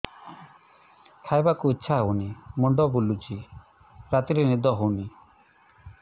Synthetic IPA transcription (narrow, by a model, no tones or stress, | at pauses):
kʰajbakuitːʃʰaunimɔɳɖɔbulut͡ʃi | ɾat̪iɾenid̪ɔɦuni